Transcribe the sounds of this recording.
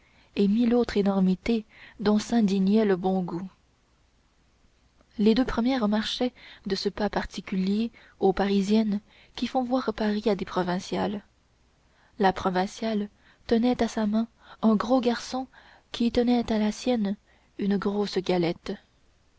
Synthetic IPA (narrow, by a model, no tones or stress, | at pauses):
emilot̪χenɔʁmit̪ed̪ɔ̃sɛ̃d̪injɛləbɔ̃ɡu | led̪øpχəmjɛʁmaʁʃɛd̪əsəpapaʁt̪ikʲylje | opaʁizjɛn | kʲifɔ̃vwaːʁpaʁiad̪epχɔvɛ̃sjal | lapχɔvɛ̃sjal | t̪ənɛt̪asamɛ̃ | ɛ̃ɡʁoɡaʁsɔ̃ | kʲʰit̪ənɛt̪alasjɛn | ynəɡʁosɡalɛt̪